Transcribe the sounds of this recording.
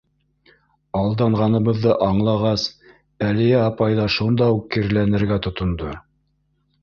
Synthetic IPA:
ɑlˠd̪ɑɴʁɑnɤ̆βɤ̆ðːɤʔɑɴlˠɑʁɑs | ælɘ̆jɘɑpɑjðɑʃund̪ɑukːɘɾlænɘ̆ɾɡæt̪ŏt̪ŏnd̪o

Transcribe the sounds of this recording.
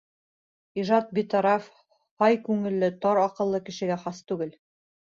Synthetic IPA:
iʒɑt̪̚bit̪ɑɾɑf | hɑjkʉŋɘ̆lːɘt̪ɑɾɑqɤ̆lˠːɤkɘ̆ʃɘ̆ɡæχɑst̪ʉɡɘl

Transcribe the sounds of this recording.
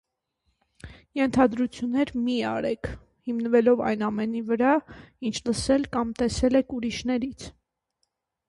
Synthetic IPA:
jɛnt̪ʰɑd̪ɾut͡sʰjunːɛɾmiɑɾɛkʰ | himnəvɛlɔvɑ̰jnɑmɛnivəɾɑint͡ʃʰləsɛlkɑmt̪ɛsɛlɛkʰuɾiʃnɛɾit͡sʰ

